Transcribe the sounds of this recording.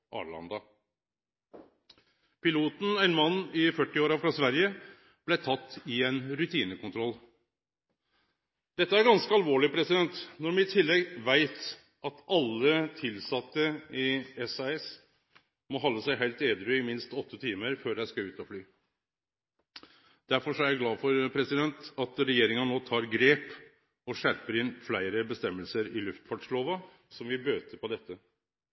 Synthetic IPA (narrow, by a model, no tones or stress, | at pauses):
ʔɑ̰ːɭɑ̰nd̪ɑ | pɪluːt̪n̩ɛnmɑnːɪfœʈːɪoːɾɑfɾɑsʋæɾjə | b̥lɛt̪ʰɑt̪ːɪɛnɾʉt̪ʰiːnəkʊnt̪ʰɾɔlː | d̪̥ɛt̪ːəæɾɡɑnskəɑlʋoːɭɪpʰɾɛsɪd̪ɛnt̪nɔɾmɛɪt̪ʰɪlːɛɡʋæɪt̪ | ɑt̪ɑlːət̪ʰɪlsɑt̪ːəɪɛsɑɛs | mɔɦɔlːəsæɪɦæɪlt̪eːd̪ɾʏɪmɪnst̪ɔt̪ʰːət̪ʰiːməɾføːɖæɪskɑʉːt̪ɔflyː | d̪̥æɾfɔʂɔæɾjæɪɡlɑːfɔɾpʰɾɛsɪd̪ɛnt̪ɑt̪ɾɛjeːɾɪŋənnoːt̪ʰɑːɾɡɾeːp | ɔʂæɾpəɾɪnːflæɪɾəbəst̪ɛmːəlsəɾɪlʉft̪fɑʈʂloːʋɑ | sɔmʋɪbøːt̪əpɔd̪ɛt̪ːə